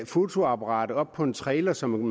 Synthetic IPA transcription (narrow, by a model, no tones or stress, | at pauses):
fo̝t͡sʰo̝ɑ̈bʰɑʁɑ̰̈ːd̥əɒ̽b̥̚pʰɒ̽e̝nt͡sʰʁɛːlɐsɒ̽m